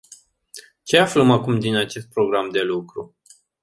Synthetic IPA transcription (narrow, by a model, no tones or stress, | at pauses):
t͡ʃe̞afləmakumd̪inat͡ʃe̞st̪̚pɾo̞ɡɾamd̪e̞lukɾu